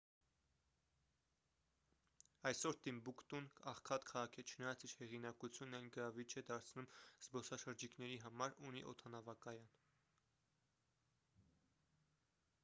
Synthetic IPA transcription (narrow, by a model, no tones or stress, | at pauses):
ɑjsɔɾt̪imbukt̪unɑχkʰɑt̪kʰɑʁɑkʰɛt͡ʃʰənɑjɑt͡siɾhɛʁinɑkut͡sʰjunːɑjnɡəɾɑvit͡ʃʰɛd̪ɑɾt͡sʰnumz̥bɔsɑʃəɾd͡ʒikʰnɛɾiɦɑmɑɾuniʔɔ̰t̪ʰɑnɑvɑkɑjɑn